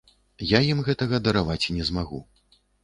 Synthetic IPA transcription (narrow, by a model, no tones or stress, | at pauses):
jajimɣɛt̪ɐɣɐd̪ɐɾavat͡sʲinʲɛzmaɣṵ